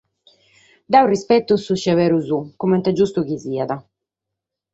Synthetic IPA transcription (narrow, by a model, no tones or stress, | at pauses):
d̪aurispɛt̪ːusuʃːavɛːɾuzukumɛnt̪ad͡ʒust̪ukiziːad̪a